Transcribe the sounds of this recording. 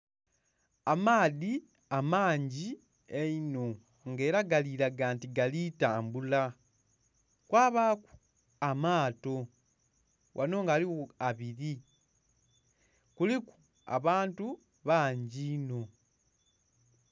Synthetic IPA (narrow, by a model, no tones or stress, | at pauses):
amaːði | amaːɲɟi | eino̞ | ŋɡe̞ːɾaɡaliɾaɡaːntiɡalitaːmbula | kwaːβaːku̥ | amaːto̞ | wʔa̰no̞ŋɡaːliwoaβiɾi | kuliku̥ | a̰βaːntu | βaːɲɟiːno̞